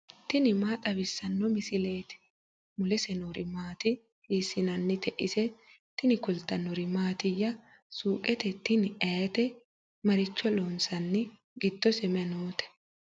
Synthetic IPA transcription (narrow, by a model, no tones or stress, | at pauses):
t̪ɪnɪmaːt̪ʼɐbɪsːɐnːɔmɪsɪle̞ːt̪ɪ̥ | mʊlɛsɛnoɾɪmaːt̪ɪ | hiːsːɪnɐnːɪt̪ɛʔɪsɛ | t̪ɪnɪkʊlt̪ɐnɔɾɪmaːt̪ɪjːɐ | suːkʼɛt̪ɛt̪ːɪnɪʔɛt̪ɛ | mɐɾɪt͡ʃːɔloːnsɐnːɪ | ɡɪd̪̥ːɔsɛmɛnoːt̪ɛ̥